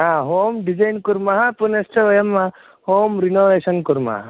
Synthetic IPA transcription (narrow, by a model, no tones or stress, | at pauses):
ɦaːɦoːmɖid͡ʒajnkuɾmaɦapunesʈʰɐʋɐjɐmːa | hoːmɾinoːʋeːsɐnkuɾma̰ɦa